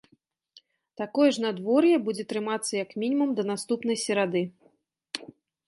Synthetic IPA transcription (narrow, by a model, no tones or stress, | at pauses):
t̪akɔjɛʐnad̪vɔrjɛbud͡zʲɛt̪ɾɨmat̪sːɐjɐkmʲinʲimumd̪ɐnast̪upn̪ɐjsʲɛɾad̪ɨ